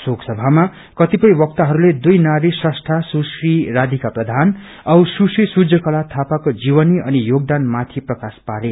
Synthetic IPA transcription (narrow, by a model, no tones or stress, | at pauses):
soksʌbʱama | kʌt̪ipʌj̃wʌk̚t̪aɦʌɾuled̪ujnaɾisʌsʈ̪ʰasusriɾad̪ʱikaprʌd̪ʱan | ʌwsusrisud͡zʱʌkʌlat̪ʰapakod͡ziwʌniʌnijoɡ̚d̪anmat̪ʰiprʌkaspaɾe